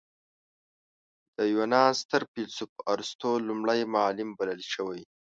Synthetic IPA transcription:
d̪̥əjonɑst̪əɾpilsupəʔaɾst̪olumɽajmalɪmbaləlʃəwaj

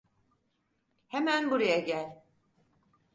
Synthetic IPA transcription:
hemænbuɾajaɟælʲ

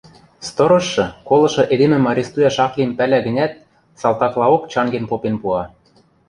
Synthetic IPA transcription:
st̪ɤ̆ɾɤ̆ʃːɤ̆kolˠɤ̆ʃɤ̆ʔed̪emɘ̆mɑɾʲest̪ujɑʃɑklʲimpælæɡə̆nʲæt̪̚ | sɑlt̪ɑklˠɑokt͡ɕɑŋɡenpopenpuɑ

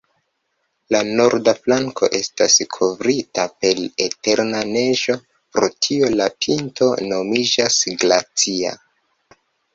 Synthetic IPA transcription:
lano̞ɾdaflaŋkʰo̞̰ʔe̞staskʰo̞vɾitape̞lete̞ɾnane̞ʒo̞ | pɾo̞tʰio̞lapʰinto̞no̞mid͡ʒasɡlat͡sia̰

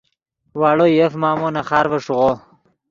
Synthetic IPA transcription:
waːɽojefmaːmonɐχaːɾvɐʂuʁo

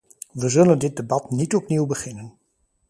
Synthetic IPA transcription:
ʋəzɵləndɪt̚debɑtnitɔpniwbəχɪnən

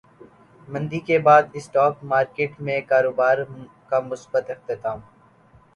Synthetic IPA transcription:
mɐ̃nd̪ikebaːd̪ɪsʈɔːkmaːɾkeːʈmẽkaːɾoːbaːɾ | kamʊsbət̪ɪxt̪ɪt̪aːm

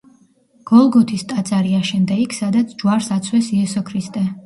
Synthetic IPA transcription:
ɡ̥ɔlˠɡɔt̪ʰist̪ʼat̪sʼaɾiaʃɛmd̪ɛikʰsad̪at̪sʰd͡ʒwaɾsat̪sʰwɛsiɛsɔkʰɾist̪ʼɛ

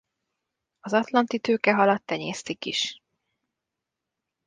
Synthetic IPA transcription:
ɒzɒt̪lɒnt̪it̪øːkɛɦɒlɒt̪ːɛɲḛːst̪ikiʃ

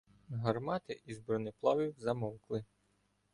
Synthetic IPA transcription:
ɦɐrmɑt̪ɪʔizbɾɔnɪplˠɑʋʲiwzɐmɔwklˠɪ

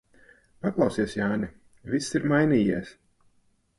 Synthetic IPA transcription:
paklˠɑwsiɛsjaːnʲi | visːiɾmajniːjiɛs

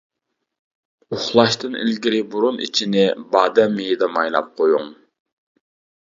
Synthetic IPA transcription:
ʊχlˠɑʃt̪ɨnḭlɡʲiɾɪbuɾunḭt͡ʃʰinɪbɑːd̪ɛmijid̪ɛmɑjlˠɑ̰p̚qʰojuŋ

